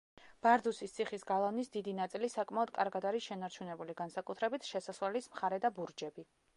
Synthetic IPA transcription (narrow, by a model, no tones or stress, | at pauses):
b̥aɾd̪usist̪sʰiχisɡalˠanisd̪id̪inat̪sʼilisakʼmaɔd̪kʼa̰ɾɡad̪aɾisʃɛnaɾt͡ʃʰunɛbuliɡansakʼut̪ʰɾɛbit̪ʰʃɛsaswalismχaɾɛd̪abuɾd͡ʒɛbi